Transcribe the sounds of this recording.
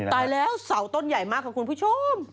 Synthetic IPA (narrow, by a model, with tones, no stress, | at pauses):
t̪aː˨˩jlɛː˨˦˥wsa˨˩˦wt̪o˧nza˨˩jmaː˦˥kːaː˧˩knpʰu˧˥t͡ɕu˧˥m